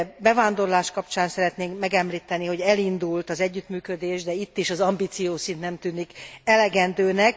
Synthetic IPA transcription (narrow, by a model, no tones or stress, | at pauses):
bɛvaːnd̪o̞rlaːʃkɒpt͡ʃaːnsɛɾɛt̪neːŋkmɛɡɛmliːt̪ɛniho̞ɟɛlind̪ult̪ɒzɛɟːyt̪myːkød̪eːʒd̪ɛit̪ːiʃɒzɒmbiːt̪sijoːsint̪nɛmt̪yːnikɛlɛɡɛnd̪øːnɛk